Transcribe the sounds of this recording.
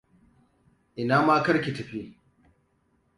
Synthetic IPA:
ʔɪ˨naː˦maː˦kɐ˦ɽkʲi˨tɐ˨ɸi˦

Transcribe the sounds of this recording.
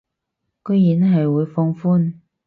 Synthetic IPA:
ko˥jiː˨˥nɦɐ˨jwuː˨˧jfɔ˧ŋfuː˥n

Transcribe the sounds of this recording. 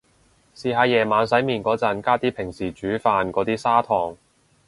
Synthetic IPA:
siː˨˧ɦaː˨˧jɛː˨˩maː˨˧nsɐ˨˥jmiː˨nkɔː˨˥t͡sɐ˨˥nkaː˥t̪iː˥pʰɪ˨˩ŋsiː˨˩t͡ʃyː˨˥faː˨˧nkɔː˨˥t̪iː˥saː˥t̪ʰɔː˨˩ŋ

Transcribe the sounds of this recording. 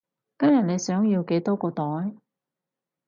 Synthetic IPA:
kɐ˥mjɐ˨t̚ne˨˧jsœː˨˥ŋjiː˧wke˨˥jt̪ɔː˥kɔː˧t̪ɔː˨˥j

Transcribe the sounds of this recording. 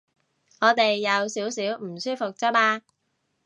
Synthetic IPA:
ŋɔː˨˧t̪e˨jːɐ˨˧wsiː˨˥wsiː˨˥wm̩˨˩syː˥fʊ˨k̚t͡sɐ˥p̚aː˧

